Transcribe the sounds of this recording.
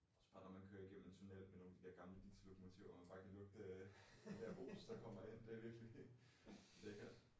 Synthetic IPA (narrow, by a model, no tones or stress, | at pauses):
ɒsɒ̥b̥ɑ̈ːd̥ɐmænkʰøːɐiɡ̥em̰m̩ent͡sʰunel̰meno̝ːŋd̥id̥eɐɡ̥ɑ̈mləd̥ḭːsʰlokʰɒmo̝t͡sʰiʊ̰ɐmænb̥ɑ̈ːkʰælɔ̽ɡ̥ə̥ | d̥æɐb̥o̝̰ːsd̥ɑkʰɒ̽m̰ɐen̰d̥eɐʋiɐɡ̥əli | l̥eɡ̥ɐ̥